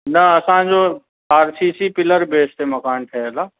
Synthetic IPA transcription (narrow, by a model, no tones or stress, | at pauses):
nɐɐsãd͡ʑo | aːɾsiːsipɪləɾbeːsʈ̪emɐkaːnʈ̪ʰɐlaː